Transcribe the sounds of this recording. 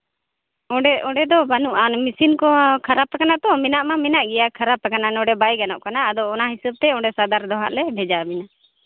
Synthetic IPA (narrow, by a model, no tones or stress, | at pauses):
ɔ̃ɖɛʔɔɖɛd̪ɔbanuʔamisinkɔkʰaɾapakanat̪ɔminaʔmaminaʔɡɛjakʰaɾapakananɔɖɛbajɡanɔ̰ʔkanaːd̪ɔɔnaɦisəb̚t̪ɛɔɖɛsad̪aɾd̪ɔɦa̰ʔlɛbʱɛd͡ʒabina